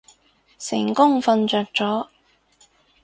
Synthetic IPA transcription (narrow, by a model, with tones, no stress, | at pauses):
sɪ˨˩ŋkʊ˥ŋfɐ˧nt͡ʃœː˨˧k̚t͡sɔː˨˥